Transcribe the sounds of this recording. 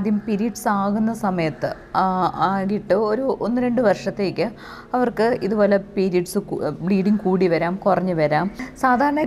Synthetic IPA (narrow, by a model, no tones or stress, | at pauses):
d̪ʱjɐmpiɾiɖsaːɣunːɐsɐmɐjɐt̪ːɨ | aaːɣiʈːɨo̞ɾuonːɨɾe̞ɳɖɨʋɐrʂɐt̪ːe̞ːkʲːɨ | ɐʋɐrkɨiðubo̞ːle̞piːɾijɐɖsɨbɽiːɖiŋkuːɽiʋɐɾaːmkurɐɲːɨʋɐɾaːmsaːd̪ʱaːɾɐɳɐ